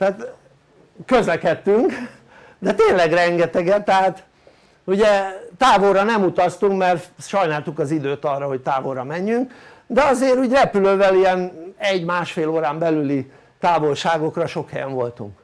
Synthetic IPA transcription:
t̪ɛaːt̪ | køzlɛkɛt̪ːyŋk | d̪ɛt̪eːnlɛɡrɛŋɡɛt̪ɛɡɛt̪ːɛɦaːt̪ | uɟɛt̪aːvorɒnɛmut̪ɒst̪uŋkmɛrt̪ʃɒjnaːlt̪ukɒzid̪øːt̪ɒrːɒɦo̞c̚t̪aːvo̞rɒmɛɲːyŋk | d̪ɛɒzeːɾuːɟrɛpyløːvɛlijɛnɛɟmaːʃfeːloːɾaːmbɛlyli | t̪aːvo̞lʃaːɡo̞krɒʃo̞khɛjɛ̰ɱvo̞lt̪ṵŋk

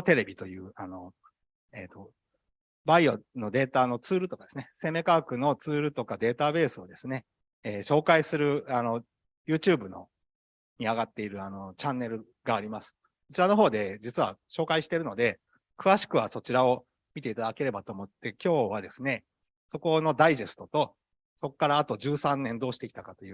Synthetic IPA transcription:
t̪e̞ɾe̞bʲit̪o̞jɯ̟ːano̞ | e̞ːt̪o̞ | baiono̞d̪e̞ːt̪ano̞t͡sɨːɾɯ̟t̪o̞kad̪esɨne̞se̞me̞kaːkɯ̟no̞t͡sɨːɾɯ̟t̪o̞kad̪e̞ːt̪abe̞ːsɨo̞d̪e̞sɨne̞ | eːɕo̞ːkaisɨɾɯ̟ano̞ | jɯ̟ːt͡ɕɯːbɯ̟no̞̰ | ɲ̟iaɡat̪ːe̞iɾɯ̟ano̞t͡ɕãnːe̞ɾɯ̟ | ɡaːɾʲimasɨ̥ | ot͡ɕiɾano̞ɦo̞ːd̪e̞d͡ʑit͡sɨβa̰ɕo̞ːkaiɕi̥t̪e̞ɾɯ̟no̞d̪e̞ | kɯ̟βaɕi̥kɯ̟βaso̞t͡ɕiɾao̞ | mʲit̪e̞it̪ad̪ake̞ɾe̞bat̪o̞ːmo̞t̪ːe̞kʲo̞ːβ̞ad̪e̞sɨne̞ | so̞ko̞no̞d̪aiʑe̞sɨ̥t̪o̞t̪o̞ | so̞kːaɾaːt̪o̞ʑɨːsãnːẽ̞nd̪o̞ːɕi̥t̪e̞kʲit̪akat̪o̞jɯ

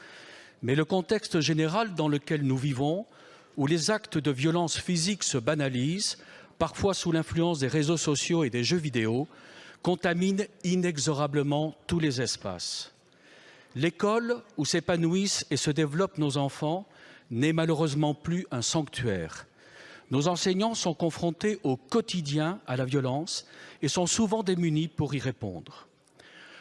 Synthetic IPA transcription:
mɛləkɔ̃t̪ɛkst̪əʒeneʁald̪ɑ̃ləkʲɛlnuvivɔ̃ | ulezakt̪əd̪əvjɔlɑ̃sfiziksəbanalizpaʁfwasulɛ̃flyɑ̃s̬d̪eʁezosɔsjoed̪eʒøvid̪eokɔ̃t̪amininɛɡzɔʁabləmɑ̃t̪ulezɛspa̰s | lekɔlusepanuisesəd̪evlɔpnozɑ̃fɑ̃nɛmaløʁøzmɑ̃plyʔɛ̃sɑ̃kt̪ɥɛːʁ | nozɑ̃sɛɲɑ̃sɔ̃kɔ̃fχɔ̃t̪eʔokɔt̪id̪jɛ̃alavjɔlɑ̃sesɔ̃suvɑ̃d̪emynipuʁiʁepɔ̰̃d̪ʁ

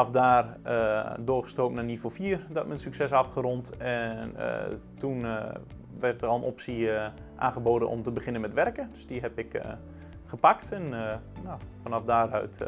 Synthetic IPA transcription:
ɑfdaːrədʊːrχə̥stoːpnanivofiərdɔtmənsyksɛsafχərɔntɛn̰ | tun | ʋɛrtərɔlˠənʔɔpsi | ʔa̰ːnχəboːdənʔɔ̰mtəbəχɪnənmɛtʋɛrkədøsdiɦɛpɪk | χəpaktɛnnofɔnɑfdaːrœ̰ɥt

